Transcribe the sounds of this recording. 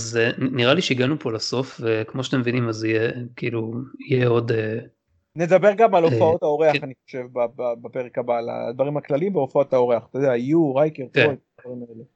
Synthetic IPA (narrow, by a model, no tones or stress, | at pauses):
azeniʁaliʃeiɡanupʰolaso̞fvekmoʃat̪emvinimazijekiiluijeo̞d̪e | ned̪abeʁɡamalofao̞tao̞ʁeaχaniχoʃe̞vbababape̞ʁekabala̰d̪vaʁimaklalimveofao̞t̪ao̞ʁeaχt̪od̪eajuʁajkeʁpkeokkoad̪vaʁimaele